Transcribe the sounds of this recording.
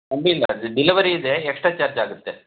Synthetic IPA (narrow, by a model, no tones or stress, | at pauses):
ɐmbiːlːɐ̰ɖiliʋɐɾiːd̪eːksʈɾaːt͡ʃaɾd͡ʒaːɡut̪ːe